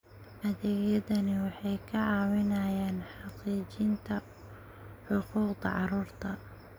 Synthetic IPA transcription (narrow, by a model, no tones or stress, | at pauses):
ʔɐðɛːɣjɐðɐnɪwɑħɑjkʰɐʕɑːwɪnaːjaːnħɑqiːt͡ʃɪnt̪ʰɐ | ħʊquːqd̪ɐ̰ʕɑɾuːrt̪ʰɐ